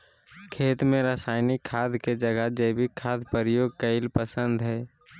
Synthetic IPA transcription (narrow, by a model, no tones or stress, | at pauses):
kʰeːt̪mẽɾaːsaːɪnikʰːaːd̪ʱked͡ʒəɡəd͡ʒəɪbʱikʰːaːd̪ʱpəɾɪjoːɡ̚kəɪlpəsə̃nd̪ɦɛː